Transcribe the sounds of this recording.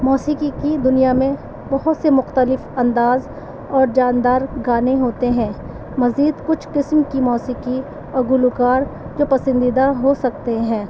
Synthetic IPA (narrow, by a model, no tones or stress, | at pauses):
mɔːsikikid̪ʊnijamẽ | bɐɦʊt̪semʊxt̪əlɪfɐ̃nd̪aːz | ɔːɾd͡ʒaːnd̪aːɾɡaːneɦoːt̪eɦɛ̃ː | mɐziːd̪kʊt͡ʃʰqɪsmkimɔːsiki | ɐɡʊlukaːɾ | d͡ʒoːpɐsə̃nd̪id̪aɦosɐkt̪eɦɛ̃ː